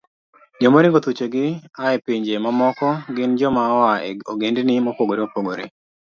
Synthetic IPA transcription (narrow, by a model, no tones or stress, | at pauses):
d͡ʒomoɾɪŋɡot̪ut͡ʃeɡɪaɛpiɲd͡ʒemamɔkɔɡɪnd͡ʒɔmawaoɡendnɪmopoɡoɾeopoɡoɾḛ